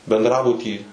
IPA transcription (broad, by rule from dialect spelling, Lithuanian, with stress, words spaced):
bʲɛndˈrɑːbʊtʲiː